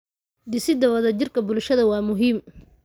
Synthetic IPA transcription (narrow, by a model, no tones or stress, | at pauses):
d̪ɪsɪd̪ɐwɐðɐt͡ʃɪrkʰɐbʊlʃɐðɐwɑːmʊɦiːm